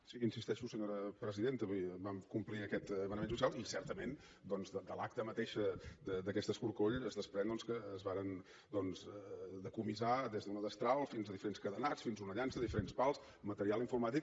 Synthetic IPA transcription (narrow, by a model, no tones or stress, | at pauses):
siinsist̪ɛʃusəɲoɾəpɾəziðent̪əβujbamkumpliəkɛt̪ːmənəmensuis̬jalˠisɛɾt̪əmen | d̪ɔnzd̪əd̪əlak̚t̪əmət̪eʃəd̪əd̪əkɛst̪əskuɾkoʎəzðəspɾɛnd̪ɔnskəːzβaɾən | d̪ɔnzðəkumizad̪ezðunəðəst̪ɾalˠfinzəðifəɾenskəðənasfinzunəʎanzðəðifəɾenspalˠs | mət̪əɾialˠiɱfuɾmat̪ik